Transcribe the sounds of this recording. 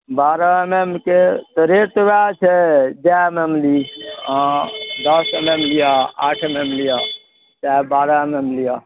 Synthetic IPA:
baɾaememket̪ɔɾet̪oʋat͡ʃʰɛd͡ʒamemliãd̪əsememlijaa̰ːʈʰememlija | t͡ʃaːɦebaːɾaememlija

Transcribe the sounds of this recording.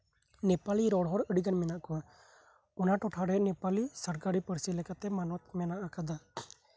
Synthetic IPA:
nɛpaliɾɔɽɦɔɾəɽiɡanmɛnaʔkɔa | ɔnaʈɔʈʰaɽɛnɛpalisəɾkaɾipəɾsilɛkat̪ɛmanɔt̪mɛnaʔakad̪a

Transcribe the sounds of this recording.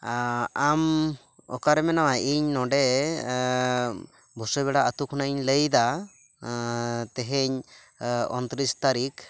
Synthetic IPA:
aam | ɔ̰kaɾɛmɛnawaʔiɲnɔɖɛ | bʱɔsɔβɛɽaət̪ukʰnaiɲləjd̪a | t̪ɛɦɛɲ | ɔ̰nt̪ɾist̪aɾik

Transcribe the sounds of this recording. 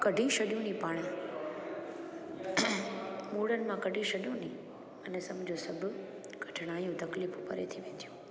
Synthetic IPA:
kɐɖʱĩʃɐɗijũnipaːɽ̃a | muːɽənɪ̆mãkɐɖʱĩʃɐɗijũnĩ | ɐnɛsɐmd͡ʑʱosɐbʱʊ | ɡ̥ʱɐʈʰɽ̃aːjũt̪ɐkliːfʊpəɾḛt̪ʰiʋẽːnd̪ijũː

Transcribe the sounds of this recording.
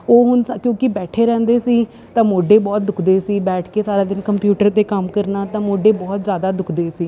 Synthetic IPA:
oːɦʊnkjõːkɪbɛːʈʰeːɾɛ̃ːnd̪eːsiː | t̪ãːmoːɖeːbɔːt̪̚d̪ʊkʰd̪eːsiːbɛːʈʰkeːsaːɾaːd̪ɪnkəmpjuːʈəɾt̪eːkəmkəɾnaːt̪ãːmoːɖeːbɔːt̪zjaːd̪aːd̪ʊkʰd̪eːsiː

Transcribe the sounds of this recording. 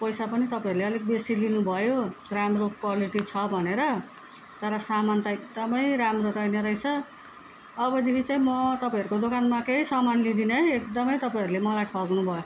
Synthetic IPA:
pʌjsapʌnit̪ʌpaĩʌɾuleʌleɡ̚besilinubʱʌjoramrokwaliʈit͡sʰʌbʱʌneɾʌ | t̪ʌɾʌsamant̪aek̚d̪ʌmʌjɾamroɾʌjnʌɾʌjt͡sʰʌː | bʌd̪ekʰit͡saĩmʌt̪ʌpãĩʌɾukod̪okanmakeɦisʌmanlid̪inʌjekd̪ʌmʌjt̪ʌpaĩʌɾulemʌlajʈʰʌɡnubʱʌjo

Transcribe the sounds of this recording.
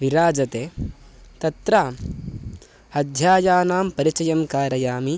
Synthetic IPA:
ʋiɾaːd͡ʒɐt̪eː | t̪ɐt̪ɾaːm | hɐd̪ʱjaːjaːnaːmpɐɾit͡ʃɐjɐmkaːɾɐjaːmi

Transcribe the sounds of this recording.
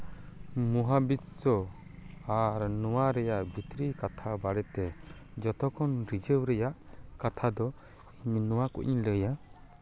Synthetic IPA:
muɦabissɔ | aɾnɔwaɾɛjaʔbʱit̪ɾikat̪ʰabaɽɛt̪ɛ | d͡ʒɔt̪ɔkɔnɾid͡ʒəwɾɛjaʔkat̪ʰad̪ɔ | iɲinɔwakṵʔɲləja

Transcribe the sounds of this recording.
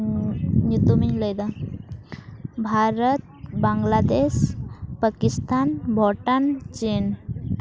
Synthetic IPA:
ɲit̪umiɲləjd̪a | bʱaɾət̪̚bãŋɡlad̪eɕpakist̪anbʱɔʈant͡ɕin

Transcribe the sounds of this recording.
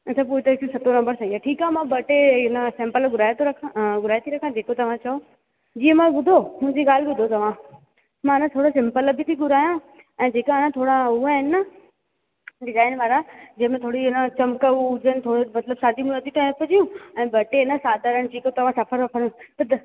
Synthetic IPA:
ɐt̪ʰɐp̬uːit̪ɐkisɐt̪onɐ̃mbəɾsɐiːaʈʰiːkaːmãbɐʈeɪnasẽmpəlɡʊɾaːjet̪ʰoɾɐkʰãɡʊɾaːjt̪ʰiɾɐkʰãd͡ʑeːkot̪ɐʋ̤ãt͡ɕɐo | d͡ʑiːə̃mãbʊd̪ʱomũɲd͡ʑiɡaːl̤ɪbʊd̪ʱot̪ɐʋ̤ã | mãɪnãt̪ʰoːɽosɪ̃mpəlbʱɪt̪ʰiɡʊɾaːjã | ɛ̃ːd͡ʑeːkãɪnãt̪ʰoːɽãuaɦɪnɪɐ | ɖɪzaːɪnʋaːɾad͡ʑɐ̃ɦɪ̃mẽt̪ʰoːɽiɪnat͡ɕɐmkəud͡ʑənɪ̆t̪ʰoːɽmɐt̪ləbsaːd̪ʱim̃ɐt̪iʈaːpəd͡ʑijũɛ̃ːbɐʈeɪnasaːd̪ʱaɾənɪ̆t͡ɕʰiːkot̪ɐʋ̤ãsɐfʰəɾɐpʰəɾũt̪ɐd̪

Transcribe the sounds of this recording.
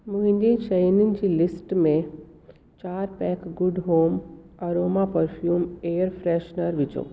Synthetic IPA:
muɦĩnd̪ĩʃɐjnind͡ʒilɪsʈmẽ | t͡ʃaːɾpɛkɡʊɖɦoːmɐɾoːmapəɾpʰjuːmeːəɾpʰɾeːʃnəɾʋit͡ʃo̰ː

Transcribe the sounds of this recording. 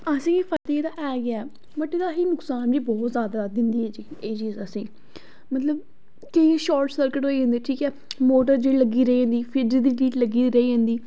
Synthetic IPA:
əsĩːpʰət̪ːeːd̪aːʔɛːɡɪaɛː | bəʈːɪd̪aːɦiːnʊksaːnd͡ʒiːbɔːt̪zjaːd̪aːd̪ɪnd̪iːɛːd͡ʒiːeːt͡ʃiːzəsĩː | mət̪ləb̚ | keiʃɔːɾʈsəɾkɪʈɦoːiːd͡ʒə̃nd̪iːʈʰiːkɛː | moːʈəɾd͡ʒeiləɡːiːɾəiːə̃ːnd̪iːpʰɪɖɾid̪iːliːʈləɡiːɾəiːɦə̃ːnd̪iː

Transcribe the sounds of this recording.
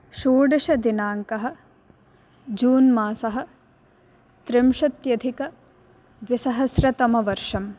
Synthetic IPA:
ʃuːɖɐʃɐd̪inaːŋkɐɦɐ̆ | d͡ʒuːnmaːsɐɦɐ̆ | t̪ɾɪmʂɐt̪jɐd̪ʱikɐ | d̪ʋisɐɦɐsɾɐt̪ɐmɐʋɐɾʂɐm

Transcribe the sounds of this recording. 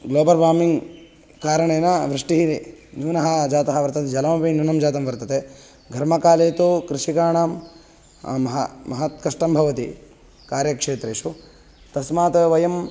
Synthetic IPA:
ɡloːbɐɾʋaːmiŋɡ | kaːɾɐɳeːnɐʋɾiʂʈiɦiɾinuːnɐɦɐd͡ʒaːt̪ɐɦɐʋɐɾt̪ɐt̪ed͡ʒɐlɐmɐpinuːnɐmd͡ʒaːt̪ɐmʋɐɾt̪ɐt̪e | ɡʱɐɾmɐkaːleːt̪ukɾiʂikaːɳaːm | ɐɦɐ̰mɐɦɐt̪̚kɐʂʈɐmbʱɐʋɐt̪i | kaːɾjɐkʂeːt̪ɾeːʃu | t̪ɐsmaːt̪ɐʋɐjɐm

